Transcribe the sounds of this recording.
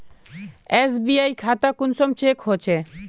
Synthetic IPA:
esbiajkʰat̪akunsomt͡ɕekɦot͡ɕʰe

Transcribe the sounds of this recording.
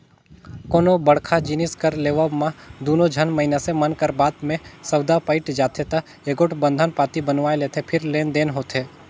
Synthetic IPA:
koːnobɐɽkʰad͡ʒinɪskəɾleːʋəbmãd̪oːnod͡ʒʱənməɦɪnasemənkəɾbaːd̪mẽsɐwd̪apəɪʈd͡ʒaːt̪ʰet̪ɐ | eːɡoːʈbə̃nd̪ʱənpaːt̪ibənʋaːeleːt̪ʰepʰɪɾleːnd̪eːnɦoːt̪eː

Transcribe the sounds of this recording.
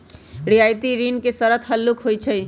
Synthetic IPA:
ɾiajt̪iɾinkesəɾət̪ʰɦəlːukɦojt͡ʃʰəj

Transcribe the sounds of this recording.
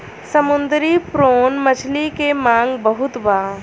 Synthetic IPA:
səmʊnd̪ɾipɾoːnmət͡ʃʰlikemãːŋɡbəɦʊt̪baː

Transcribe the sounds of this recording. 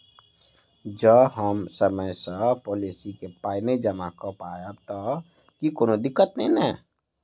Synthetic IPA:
d͡ʒəbɦəmsəməjsəpɔːlisikepaːined͡ʒəmakəpajəbt̪ɔ | kikoːnod̪ɪkːət̪nẽĩnɛ̃ː

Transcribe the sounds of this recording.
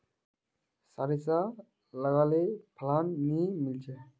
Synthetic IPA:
sɐɾisa | lɐɡaːlepʰlaːnːimilt͡ʃe

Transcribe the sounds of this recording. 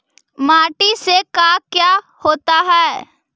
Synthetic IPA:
maːʈisekaːkjaː | hoːt̪aɦɛː

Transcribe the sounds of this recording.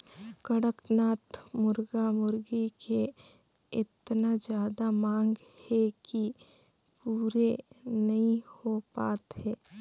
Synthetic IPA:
kəɽəknaːt̪mʊɾɡamʊɾɡikʰe | ɪt̪nad͡ʒjaːd̪amãːŋɡhɛki | puːɾenɐɦĩhopaːt̪ɦɛː

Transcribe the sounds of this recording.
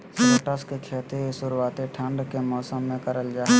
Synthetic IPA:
səʈəskekʰeːt̪esʊɾuaːt̪eʈʰə̃ɳɖkemɔːsəmːẽkəɾəld͡ʒaːe

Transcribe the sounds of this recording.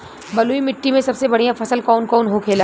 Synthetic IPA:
bɐluimɪʈːimẽsɐbsebɐɽ̤ijãfʰɐsəlkɔːnkɔːnɦokʰeːla

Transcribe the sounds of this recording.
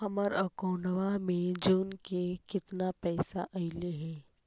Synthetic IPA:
ɦɐməɾəkoːnəʋamẽd͡ʒuːnkekɪt̪napɛːsaʔɐɪleɦɛ̃ː

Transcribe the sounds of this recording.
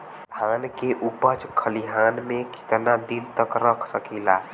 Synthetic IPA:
d̪ʱankeʔupət͡ʃkʰəliɦanmeki̥t̪nad̪int̪əkɾəkʰsəkila

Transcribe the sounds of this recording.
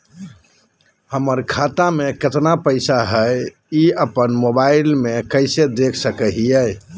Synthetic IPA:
həməɾkʰat̪ameket̪napəɪsaɦəj | iəpənmobailmekəɪsed̪ekʰsəkəɦiəj

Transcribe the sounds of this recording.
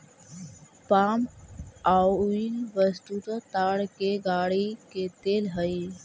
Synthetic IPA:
paːmaːiːnʋəst̪uːt̪at̪aːɽkeːɡaːɽikeːt̪eːlɦəiː

